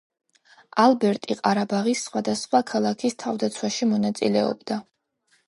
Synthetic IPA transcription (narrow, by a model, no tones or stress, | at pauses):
alˠbɛɾt̪ʼiqʼaɾabaʁisːχwad̪asχwakʰalˠakʰist̪ʰavd̪at̪sʰwaʃimɔnat̪sʼḭlɛɔ̰bd̪a